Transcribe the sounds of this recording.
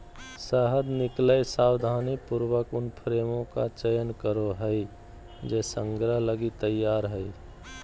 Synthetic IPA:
səɦəd̪nɪkləjsaːwd̪ʱanipuɾwəkʊnpʰɾeːmõka̰t͡ʃəjənkəɾoɦəɪ | d͡ʒesə̃ŋɡɾəɦləɡit̪əjːaːɾɦəɪ

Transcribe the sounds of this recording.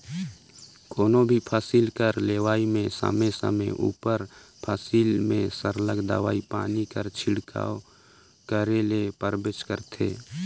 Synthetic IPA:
koːnõbʱipʰaːsilkəɾleːʋaːimẽsə̰mesə̰məʔṵːpəɾpʰaːsiːlmẽsəɾləɡd̪ə̰ʋa̰ːipaːnikəɾt͡ʃʰɪɽkʰa̰ːo | kəɾelepəɾbɪt͡ʃkəɾt̪ʰḛː

